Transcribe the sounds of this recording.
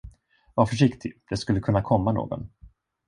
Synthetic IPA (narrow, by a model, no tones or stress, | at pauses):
vaɾfœʂɪkt̪ʰɪd̪̥ɛskɵlːəkʰɵnːakʰɔmːano̰ːɡɔ̰n